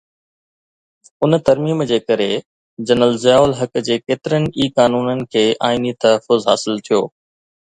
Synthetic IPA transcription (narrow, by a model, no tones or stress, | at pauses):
ʊnt̪ɐɾmiːmd͡ʑeːkɐɾe | d͡ʑɐnəlzɪjaːʊlɦɐkd͡ʑeːkeːt̪ɪɾənɪ̆iːkaːnuːnənɪ̆kʰeːʔaːinit̪ɐɦəfʊzɦa̰ːsɪlt̪ʰijoː